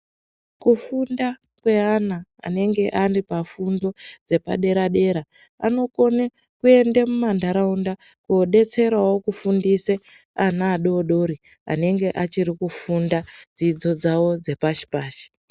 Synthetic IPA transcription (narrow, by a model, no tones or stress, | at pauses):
kufunda | kwe̞ana̰ːne̞ŋɡe̞ʔaripafundo̞d͡ze̞pa̰ɗe̞ɾaɗe̞ɾa | a̰no̞ko̞ne | kue̞ndemumandaɾaunda | kːɗe̞t͡se̞ɾawo̞kufundise | anaːɗoɗo̞ɾi | a̰ne̞ŋɡe̞ʔat͡ʃiɾikufundad͡zid͡zo̞d͡zawo̞d͡ze̞paʃi̥paːʃi̥